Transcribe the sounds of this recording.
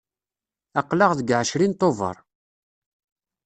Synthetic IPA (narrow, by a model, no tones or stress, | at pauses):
ɑqːlɑʁðəɡʕəʃɾint̪ˤːovə̰ɾˤ